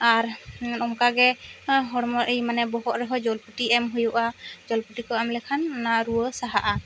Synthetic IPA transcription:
aɾnɔmkaɡɛɦɔɾmɔɾʔejmanɛbɔɦɔʔɾɛɦɔd͡ʒɔlpuʈiɛmɦujuʔad͡ʒɔlpuʈikɔamlɛkʰanːaɾuwəsaɦaʔa

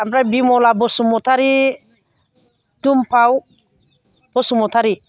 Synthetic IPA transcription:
amɾabimɔlabɔsumɔt̪ʰaɾi | tumpʰaw | b̥ɔsumɔt̪ʰaɾi

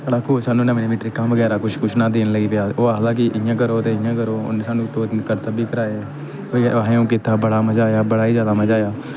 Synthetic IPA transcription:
əɽaːkʰʊːsaːnːũːnəmniːmɪːʈɾiːkãmʋəɡɛːɾaːkʊt͡ʃʰkʊt͡ʃʰnãːd̪eːnləɡiːpjaːoːaɦəlaːk̬ɪʔɪjãːk̬əɾoːt̪eːɪjãːkəɾoːʊ̰nesaːnũːt̪õːkəɾt̪aːbiːkəɾaːeː | əːɦẽːũːk̬ɪt̪ʰaːbəɽaːməd͡ʒaːjaːbəɽaːiːzjaːd̪aːməd͡ʒaːjaː

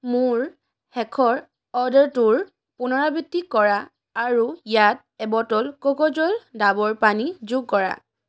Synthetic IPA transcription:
mʊɹ | hɛkʰɔɹ | ɔdɔɹtuɹ | pʊnɔɹabitːikɔɹaː | ɹujat̚ɛbɔtɔlkokɔd͡ʒɔldabɔɹpanizuɡ̚kɔɹa̰

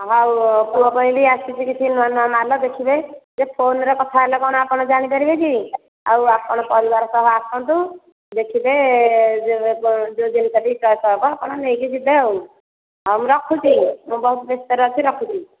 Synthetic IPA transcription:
ɦawpuɔpɔ̃ĩliasit͡ʃʰikit͡ʃʰinmanuamalɔd̪ekʰibed͡ʒepʰonɾɔkɔt̪ʰaelɔkɔɽ̃ɔapɔɽ̃ɔd͡ʒaɽ̃it̪ɔɾibet͡ʃʰi | a̰wapɔɽ̃ɔpɔɾibaɾɔsɔɦɔapɔ̃nt̪̬u | d̪ekʰibe | ed͡ʒod͡ʒinisabit͡ʃɔjsɔɦbɔapɽ̃ɔnejkit͡ʃʰib̪ew | ɦamɾɔkʰut͡ʃibɔɦut̪ɔbest̪ɔɾɔt̪ʰiɾɔkʰut͡ʃi

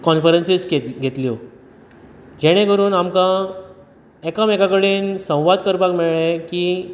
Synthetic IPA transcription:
kɔnfəɾensiskeɡʱet̪ljo | d͡ʑeɽ̃ẽkəɾuːnamkã | ekamekakəɽiːnsə̃w̃ʋad̪kəɾpakmeɭɭekiː

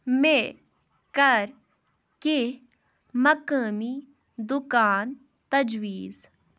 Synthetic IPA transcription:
me | kɐɾ | ke | mɐkəmi | d̪ʊkaːn | t̪ɐd͡ʒwiːz

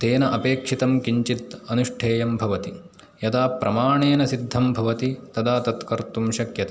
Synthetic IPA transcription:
t̪eːnɐʔɐpeːkʂit̪ɐmkiɲt͡ʃit̪ɐnuʂʈʰeːjɐmbʱɐʋɐt̪i | jɐd̪aːpɾʔɐmaːɳeːnɐsid̪ʱːɐmbʱɐʋɐt̪it̪ɐd̪aːt̪ɐt̪kɐɾt̪umʃɐkjɐt̪ɐ

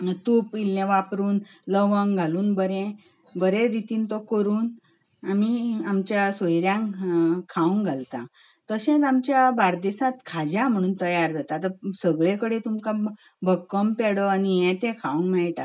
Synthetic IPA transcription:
t̪upilneʋapɾuːnləʋəŋɡʱaluːnbəɾɛ̃ | bəɾẽɾit̪iːnt̪ɔkəɾuːn | amiamt͡ɕjasojɾjãŋkʰaũŋɡʱalt̪a | t̪əɕɛ̃t͡samt͡ɕjabaɾd̪esat̪kʰad͡ʑãm̤əɽ̃uːnt̪əjaɾd͡zat̪at̪əsəɡɭekəɽet̪umka | bʱəkːəmpɛɽɔanijɛ̃t̪ɛ̃kʰaũŋɡmɛɭʈa̰

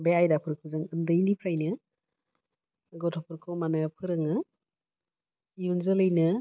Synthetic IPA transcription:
beajdapʰɯɾkʰuzɯŋɯndɯjnipʰɾajnɯ | ɡɔtʰɔpʰɯɾkʰɔwmanɯpʰɯɾɯŋɯ | ijunzɯlɯjnɯ

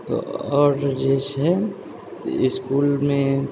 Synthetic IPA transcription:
t̪o̰ɔːɾd͡ʒeːʃɦɛ | ɪskuːlmẽ

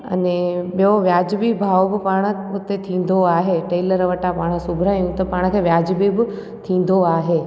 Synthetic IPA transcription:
ɐ̰neɓioʋjaːd͡ʑbibʱaːʋobɪpaːɽ̃əʊt̪et̪ʰĩːn̆d̪oaːɦeʈeːləɾʋəʈapaːɽ̃əsʊbʱɾaːjũt̪ɐpaːɽ̃kʰeːʋjaːd͡ʑbibɪ | t̪ʰĩːn̆d̪oaːɦeː

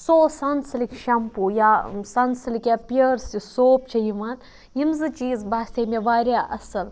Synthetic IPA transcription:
soːsɐnsɨlikʃɐmpujaːsɐnsɨlikjaːpijɐɾsisoːp̚t͡ʃʰɐjiʋaːn | jimzɨt͡ʃiːzbaːst̪eːmeʋaːɾʲjaːʔɐsɨl

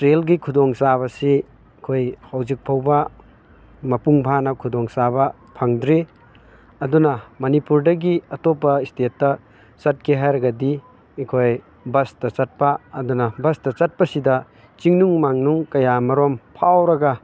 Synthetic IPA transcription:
ɾelɡikʰudoŋsaβɐsi | kʰojhawzik̚pʰɐwbɐ | mɐpuŋbʱanɐkʰudɔŋsabɐ | pʰɐŋdɾi | ɐdunɐmɐnipuɾdɐɡiɐtopːɐistetːɐ | t͡ʃɐt̚kʰeɦajɾɐɡɐdi | ekʰoj | bɐstɐt͡ʃɐt̚pɐːdunɐbɐstɐt͡ʃɐt̚pɐsidɐ | t͡ʃiŋnuŋmaŋnuŋkɐjamɐɾompʰawɾɐɡɐ

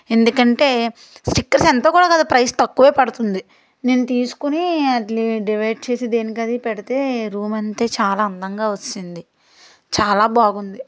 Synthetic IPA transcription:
e̞nd̪ukɐɳʈe̞ː | sʈikːɐɾsent̪oːkuːɽaːkɐd̪upɾɐjst̪ɐkːuʋeːpɐɽut̪und̪i | ne̞ːnut̪iːsu̥kuniɐʈliɖiʋɐjɖ̚t͡ʃe̞ːsid̪e̞ːnikɐd̪ipɛɽit̪e̞ːɾuːmɐnt̪e̞ːt͡ʃaːlaːɐnd̪ɐŋɡaːʋot͡ʃːind̪i | t͡ʃaːlaːbaːɡund̪i

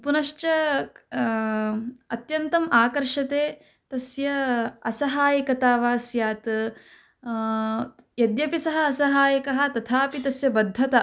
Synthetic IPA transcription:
punɐʃt͡ʃɐ | ɐt̪jɐnt̪ɐmaːkɐɾʂɐt̪eː | t̪ɐsjɐɐ̰sɐɦaːjɐkɐt̪aːʋaːsjaːt̪ | jɐd̪jɐpisɐɦɐ̆ːsɐɦaːjɐkɐɦɐ̆t̪ɐt̪ʰaːpit̪ɐsjɐbɐd̪ʱːɐt̪ɐ

